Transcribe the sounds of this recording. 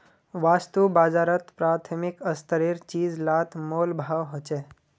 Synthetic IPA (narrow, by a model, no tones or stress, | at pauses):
ʋast̪ubad͡zaɾət̪pɾat̪ʰəmikəst̪əɾiɾt͡ʃiːd͡zlat̪ʰmolbʱaʋɦot͡ʃe